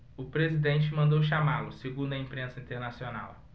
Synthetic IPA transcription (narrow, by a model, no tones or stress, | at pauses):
ʊpɾezid̪ẽnt͡ʃɪmɐ̃nd̪owʃamalʊseɡũd̪ʊɐĩpɾẽsɐĩt̪eɾnasiona̰w